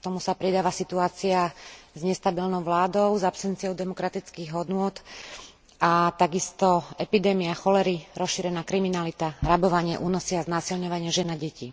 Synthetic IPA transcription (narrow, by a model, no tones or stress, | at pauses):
kt̪ɔmusapɾid̪aːʋasit̪uaːt͡siazɲɛst̪abilnɔʊʋlaːd̪ɔʊzapsɛnt͡siɔʊd̪ɛmɔkɾat̪it͡skiɣɦɔd̪nʊɔt̪ | at̪aɡist̪ɔɛpid̪ɛːmiaxɔlɛɾiɾɔsʃiɾɛnaːkɾiminalit̪aɾabɔʋaɲɪɛʔuːnɔsiaznaːsilɲɔʋaɲɪɛʒɛnaɟɛciː